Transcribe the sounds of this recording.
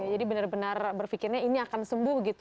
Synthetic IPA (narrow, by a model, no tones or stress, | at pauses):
jad͡ʒadibənarbənarbərfikɪrɲainiakansəmbʊhɡit̪